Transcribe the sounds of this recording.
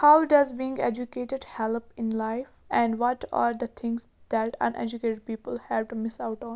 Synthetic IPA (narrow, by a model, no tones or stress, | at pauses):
haʊɖʌzbĩɪ̃ŋɡed͡ʒukeːʈɪɖhɛlpɪ̃nlaɪfɛ̃ɳɖʋɔʈa̰ːɾd̪ət̪ʰɪ̃ŋɡsd̪̥æʈʌ̰̃nʔɛ̰d͡ʒukeːʈeɖ̚piːpəlhɛʋʈumɪsaʊʈɔ̃ːn